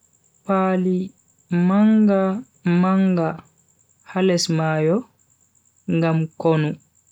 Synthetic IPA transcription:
paːli | maŋɡa | maŋɡa | halɛsmaːjɔ | ŋɡamkonu

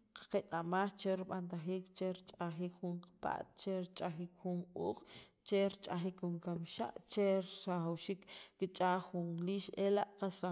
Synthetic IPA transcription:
qḁqet̪ʼamaːxt͡ʃeɾiɓant̪axiːkt͡ʃeɾt͡ʃʼaxiːkχuɴqḁpa̰ʔt̪t͡ʃeɾt͡ʃʼaxiːkxunqʼṵːq | t͡ʃeɾt͡ʃʼaxikxuŋkamʃa̰ʔt͡ʃeɾsaxawʃiːkːit͡ʃʼaːxunliːʃelaʔqasa

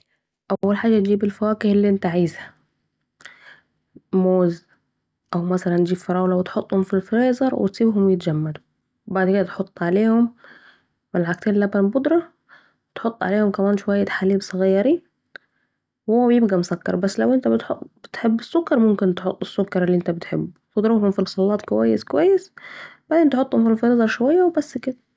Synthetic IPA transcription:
ʔawʔawːalħaːd͡ʒat̪̚d͡ʒiːbɪlfawaːkɪhɪlːiʔɪnt̪aʕaːzha | moːz | ʔawmasalant̪d͡ʒiːbfɑɾˤɑːwlawɪt̪ħʊt̪ˤːhʊmfilfɾeːzˤɑɾˤwɪ̰t̪sˤiːbɦʊmwjɪt̪d͡ʒamːad̪u | baʕd̪kɪd̪at̪ħot̪ˤːʕaleːhʊmː | alʕak̚t̪eːnlabanbʊd̪ɾˤɑ | t̪ħot̪ˤːʕa̰leːhʊmkamaːnʃʊwajːat̪ħaliːbsˤɑɣɑjːɑɾi | whʊwːæbjɪb̚ɡæmʊsakːɑ̰ɾˤbasːlawʔɪnt̪abɪt̪ħob̥ɪt̪ħɪbːɪsːʊkːɑɾˤmʊmkɪnt̪ħʊt̪ˤːɪsːʊkːɑɾˤɪlːiʔɪnt̪abɪt̪ħɪ̰bː | bʊd̪ɾhʊmfilsˤɑlːɑːt̪kwajːɪskwajːɪsb̥aʕd̪eːnt̪ħʊt̪ˤːhʊmfilfɾeːzˤɑɾˤʃʊwajːawbasːkɪd̪a

